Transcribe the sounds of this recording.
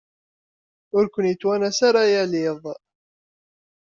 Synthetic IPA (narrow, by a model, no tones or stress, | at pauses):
ʊɾkʷənjət͡sːwænæsaɾˤæjæliðˤ